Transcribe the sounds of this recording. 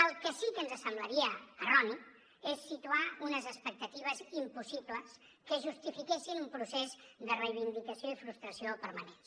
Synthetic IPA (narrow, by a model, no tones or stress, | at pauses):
əlˠkəsikənzəsəmbləɾiəərɔni | esːit̪uaunəzəspək̚t̪ət̪iβ̞əzimpusipləs | kəʒust̪ifikesinumpɾusezd̪ərəjβind̪ikəsioifɾust̪ɾəsiopəɾmənens